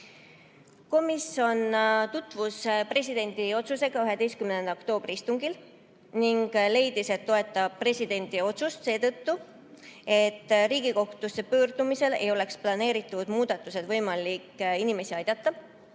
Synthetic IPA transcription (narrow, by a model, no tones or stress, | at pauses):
ko̞miso̞nt̪ut̪ːˑvuspre̞sʲid̪e̞nʲd̪̥io̞t̪suse̞ɡ̥ɑyɦe̞d̪e̞jskymnend̪okt̪o̞ːb̥ɾiist̪uŋɡil | niŋɡle̞jd̪̥ise̞t̪ːo̞e̞t̪ːˑɑb̥̚pre̞sʲid̪̥e̞nʲd̪̥io̞t̪sust̪se̞ːt̪ɤt̪ːu | e̞t̪ːriːɡ̥iko̞ht̪use̞pøːrd̪̥umise̞le̞jo̞le̞ksplɑne̞ːɾit̪ˑːud̪̥muːd̪̥ɑt̪ːˑuse̞d̪vɤ̞jmɑlikinime̞siɑjd̪̥ɑt̪ːɑ